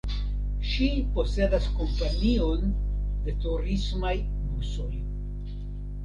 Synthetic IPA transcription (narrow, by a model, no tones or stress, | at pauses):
ʃipo̞se̞daskompanionde̞tuɾismaj | buso̞j